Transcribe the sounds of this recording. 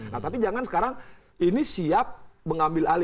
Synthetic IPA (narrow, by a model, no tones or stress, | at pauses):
naht̪apid͡ʒaŋansə̥kaɾaŋ | inisiap̚məŋambɪlali